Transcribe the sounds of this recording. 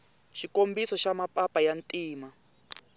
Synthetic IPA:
ʃikombisɔʃamapʼapʼajantʼiːma

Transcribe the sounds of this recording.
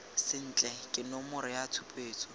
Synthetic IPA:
sɪn̩t͡ɬʼɛkʼɪnɔmʊɾɪjatʰʊpʼeːt͡sʼɔ

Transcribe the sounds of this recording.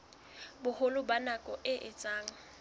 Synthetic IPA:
bʊhʊlʊbanakʼɔʔɪʔɪt͡sʼaːŋ̩

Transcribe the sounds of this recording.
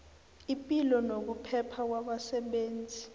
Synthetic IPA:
ipʼilɔnok̬upʰɛpʰak̬waɓasɛɓeːnd͡zʱi

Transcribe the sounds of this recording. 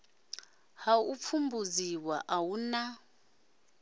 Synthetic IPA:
haup̪fʰumbuziwaʔawuna

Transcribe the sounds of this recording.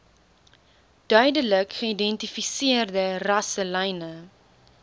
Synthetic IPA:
d̥œɥdələkχəidɛntifisiərdərɐsəlɛjnə

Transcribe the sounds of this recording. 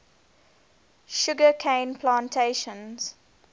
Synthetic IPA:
ʃʊɡəkʰẽɪ̃npʰlãntʰeɪʃə̃nz̥

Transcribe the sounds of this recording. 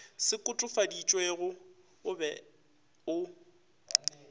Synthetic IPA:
sɪkʼʊtʼʊfadit͡ʃʼweɣʊ | ʊbɛ | ʊ

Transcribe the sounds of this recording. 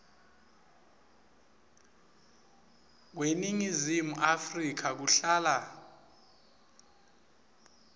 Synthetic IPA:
k̬weniŋizimuʔafrik̬ʰak̬uɬaːla

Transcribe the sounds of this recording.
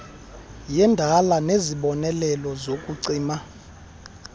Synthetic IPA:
jɛndʱalaneziɓɔnɛlɛlɔzokʼuǀiːma

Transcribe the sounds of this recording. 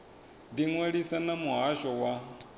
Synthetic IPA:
diŋweɺisanamuɦaʃɔwa

